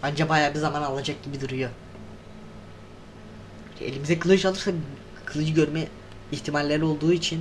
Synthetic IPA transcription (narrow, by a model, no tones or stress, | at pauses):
and͡ʒabajaːbizamanalˠad͡ʒak̚ɟibid̪uɾujo | iʃt̪ʰɛ̰ḛlʲimizɛkʰɯlˠɯt͡ʃalˠɯɾsa | kʰɯlˠɯd͡ʒɯɟø̞ɾmɛ | içt̪ʰimalʲːeɾio̞lˠd̪uːit͡ʃʰin